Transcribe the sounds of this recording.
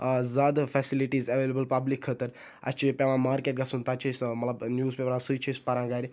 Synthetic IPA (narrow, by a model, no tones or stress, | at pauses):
zaːd̪fʰɛsiliʈiːzɐʋeːlebəlpɐblikʰːət̪əɾ | ɐ̰t͡ʃʰipelãːmaːɾkeːʈ̚ɡɐsunt̪at͡ʃʰismɐt̪lɐbnjuːzpepɾãsɨt͡ʃʰispɐɾãːɡaːɾi